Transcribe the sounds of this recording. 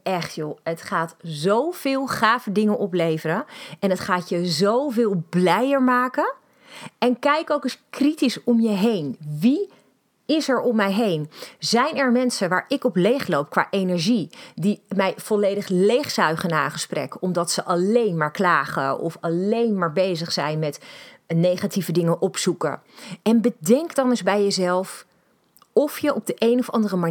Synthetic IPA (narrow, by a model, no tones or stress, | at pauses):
ɛχtjoətχaːtzowv̥ɪːlˠχaːvədɪŋənʔɔplejvəɾəɛnətχaːtjəzowvɪːlˠblɛjəɹmaːkən | ɛnkɛjkowkəskritisɔmjəɦejnʋi | ɪsɛɹɔmɛjɦejnzɛjnɛɹmɛnsənʋaːɹɪkɔplejχlowp̚kʋa̰ːʔejnɛɹʒidimɛjv̥ɔlejdəχlejχsœɥχənaːχəsprɛ̰kɔmdɑtsəʔɑlejnmaːɹklaːχə̰ɔ̰fɑlejnmaːɹbejzəχsɛjnmɛt | nejχativədɪŋəʔɔpsukə̰ | ɛnbədɛŋkdɑnʏzbɛjəzɛlˠf | ɔfjəʔɔb̚dəʔejnɔfɑ̰ndərəma